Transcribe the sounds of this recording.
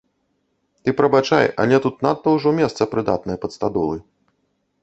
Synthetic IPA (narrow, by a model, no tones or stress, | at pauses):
t̪ɨpɾɐbat͡ʂa̰jɐ̰lʲɛt̪ut̪nat̪ːɐwʐɔmʲɛst̪sɐpɾɨd̪a̰t̪̚nɐjɐpɐt̪st̪ad̪ɔlˠɨ